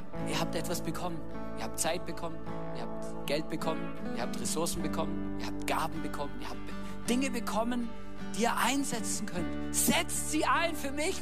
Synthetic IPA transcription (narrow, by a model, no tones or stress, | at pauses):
iːɐhaːp̚tʔɛtv̥asb̥əkʰɔmən | iːɐhaːp̚t̚t͡saɪt̚b̥əkʰɔmən | ʔiːɐhaːp̚t | ɡ̥ɛlt̚b̥əkʰɔmən | ʔiːɐhaːp̚tʁesʊɐsn̩bəkʰɔmən | iːɐhaːp̚tɡ̥aːbm̩bəkʰɔməniːɐhaːp̚t̚ | d̥ɪŋəbəkʰɔmən | d̥iːɐʔaɪnzɛt͡sn̩kʰœnt | z̥ɛt͡stz̥iːʔaɪnfyːɐmɪç